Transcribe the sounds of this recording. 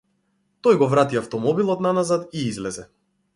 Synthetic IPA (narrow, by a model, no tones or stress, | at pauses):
t̪ɔjɡɔvɾat̪iaft̪ɔmɔbilˠɔt̪nanazat̪iizlɛzɛ